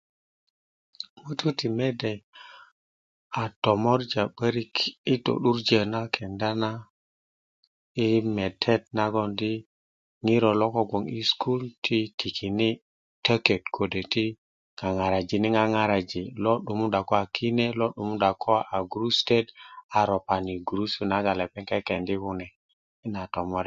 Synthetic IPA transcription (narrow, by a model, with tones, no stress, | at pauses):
mu˦tu˦ti˨me˦de˨j | a˨to˨mo˦ɾd͡ʒa˨ɓə˦ɾi˦ki˦to̰˨ɗu˦ɾd͡ʒe˨na˦kʰe˨nda˦na˦ | i˦me˨tʰe˦t̚na˦ɡo˦ndi˦ | ŋi˦ɾo˨lo˦ko˦ɡo˨ŋi˦skʰu˦ltʰi˦tʰi˨kʰi˨ni˦ | tə˦ke˨tkʰo˨de˨ti˦ | ŋa˨ŋa˨ɾa˨d͡ʒi˨ni˦ŋa˦ŋa˦ɾa˨d͡ʒi˨lo˦ɗu˨mu˦da˨ko˦a˨kʰi˦ne˦lo˦ɗu˨mu˦da˨kʰo˦a˨ɡu˨ɾu˦ste˦da˨ɾo˨pa˨ni˨ɡu˨ɾu˦su˦na˦ɡa˨le˨pe˦ŋke˦ke˨ndi˦hu˦nɛ˨ | i˦na˨to˨mɔ˦ɾe˨